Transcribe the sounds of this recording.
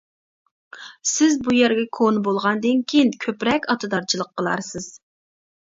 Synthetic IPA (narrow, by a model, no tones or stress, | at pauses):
sɪzbujæɾɡʲɛkʰonbolˠʁɑnd̪ɨnkʲʰijnkʲʰøpɾɛkʲɑt̪ʰɨd̪ɑɾt͡ʃʰilˠəqʰːəlˠɑ̰ɾsɨz̥